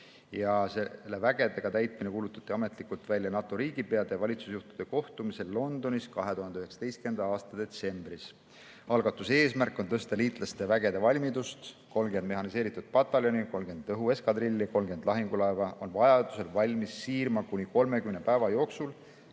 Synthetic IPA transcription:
jɑselːe̞væɡ̥e̞d̪e̞ɡ̥ɑt̪æjt̪ˑminekuːlut̪ːˑɑ̥t̪ːˑiɑme̞t̪ˑlikult̪vælʲjɑnɑt̪ːˑo̞ɾiːɡ̥ipe̞ɑd̪̥evɑlʲit̪susjuht̪u̥d̪̥e̞ko̞ht̪umise̞lːo̞nd̪̥o̞niskɑɦe̞t̪uɦɑnd̪eyheksɑ̥t̪e̞jst̪ke̞nd̪ɑɑːst̪ɑd̪e̞t̪se̞mbris | ɑlɡ̥ɑt̪ːˑuse̞ːsmærkːˑo̞nt̪ɤst̪eliːt̪ˑlɑst̪evæɡe̞d̪̥e̞vɑlʲmid̪ust̪ | ko̞lmɡe̞nd̪me̞ɦɑnise̞ːɾit̪ːˑud̪̥̚pɑt̪ːˑɑlʲjo̞niko̞lmɡ̥e̞nd̪ɤɦue̞skɑd̪rilʲːiko̞lmɡ̥e̞nd̪lɑɦiŋɡ̥ulɑevɑʔo̞nvɑjɑd̪̥use̞lvɑlʲmisːiːrmɑkunʲiko̞lme̞kymnepæevɑjo̞ːksul

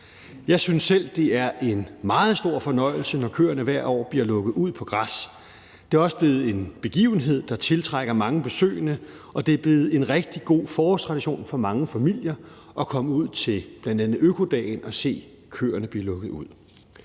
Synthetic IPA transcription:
jɑ̈ɪsynsːel̰d̥e̝æɐʔe̝nmɑ̈ːð̞̩ˠsd̥o̝ɐ̰fɒ̽nɒ̽ɪ̰l̩sənɒkʰø̰ːɐnəʋæɐ̰dɒ̰ːb̥liɐlɔ̽ɡ̥ð̩ˠuð̰ˠpʰɒ̽ɡ̥ʁas | d̥e̝æɐɒ̽səb̥le̝ːð̞̩ˠe̝nb̥e̝ɡ̥ḭːʊn̩ɦe̝ð̞̰ˠd̥ɑ̈t͡sʰe̝lt͡sʰʁaɡ̥ɐmɑ̈ŋəb̥e̝sø̰ːɪnə | ɒ̽d̥e̝æɐb̥le̝ːð̞̩ˠe̝nʁɛɡ̥̚d̥iɡ̥o̝̰ːfɒːhɒst͡sʰʁɑ̈d̥iɕo̝̰ːnfɒ̽mɑ̈ŋəfæmil̰jɐ | ʔɒ̽kʰɒ̽məuð̞̰ˠt͡sʰe̝lb̥lænd̥ænð̩ˠøkʰo̝d̥ɛ̰ːnɒ̽se̝̰ː | kʰø̰ːɐnəb̥liɐlɔ̽ɡ̥ð̩ˠuð̰ˠ

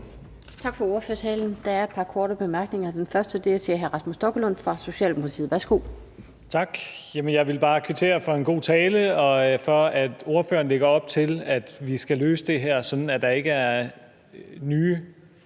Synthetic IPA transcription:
t͡sʰɑ̈ɡ̥fɒ̽o̝ɐføɐsʰɛːln̩d̥ɑ̈æɐe̝d̥̚pʰɑ̈kʰɒːɾəb̥e̝mæɐɡ̥ne̝ŋɐd̥enfɶɐsd̥əd̥e̝ɐsʰeɦæɐʁɑsmusd̥ɒ̽ɡ̥əlon̰fʁɑ̈so̝ɕɛ̰ːlmpʰolit͡sʰḭð̩̰ˠʋæɐsɡ̥o̝̰ː | t͡sʰɑ̈ɡ̥jæmənjɑ̈ɪʋe̝lb̥ɑ̈ːkʰʋe̝t͡sʰe̝̰ːɐfɑ̈e̝nɡ̥o̝̰ːt͡sʰɛːləɒ̽fɒ̽æd̥o̝ɐfø̰ːɐn̩leɡ̥ɐɒ̽b̥t͡sʰe̝læd̥ʋisɡ̥ælø̰ːsəd̥e̝ɦæɐ̰sɒ̽n̥n̩æd̥ɑ̈e̝ɡ̥əæɐ | nyː

